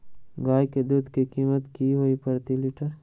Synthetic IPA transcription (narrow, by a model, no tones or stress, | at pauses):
ɡaːjked̪uːd̪kikiːmət̪kiɦoːipɐɾt̪iliʈəɾ